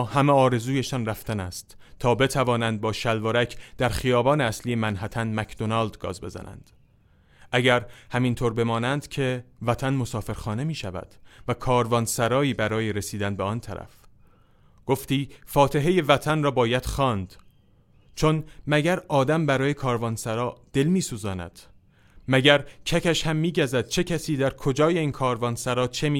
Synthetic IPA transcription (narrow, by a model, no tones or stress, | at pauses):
hæmeɒːɾe̞zuːje̞ʃɒnræft̪ænæst̪ | t̪ʰɒːbe̞t̪ʰævɒːnænd̪̚bɒːʃælvoɾæcʰd̪̥æɾχijɒːbɒːneæsliːje̞mænɦæt̪ʰænmækʰd̪onɑld̪ɡɒ̰ːzbe̞zæ̰næ̰nd̪̥ | ʔæɟæɾhæmint̪ʰoːɾbe̞mɒːnænd̪̥cʰe̞væt̪ʰænmo̞sɒːfe̞ɾxɒːne̞miːʃævæ̰d̪̥vækʰɒːɾvɒnsæɾɒːiːbæɾɒːjeɾesiːd̪ænbeɒnt̪ʰæ̰ɾæ̰f | ɡ̥oft̪iːfɒːt̪ʰe̞ɦe̞je̞væt̪ʰænrɒːbɒːjæd̪̥xɒːnd̪̥ | t͡ʃʰonmæɟæɾɒːd̪æmbæɾɒːje̞kʰɒːɾvɒːnsæɾɒːd̪̥e̞lmiːsuːzɒːnæ̰d̪̥ | mæɟæɾcʰæcæʃhæmːiːɟæzæd̪̥t͡ʃʰe̞cʰæsiːd̪æɾkʰod͡ʒɒːje̞iːnkʰɒːɾvɒːnsæɾɒːt͡ʃʰe̞mi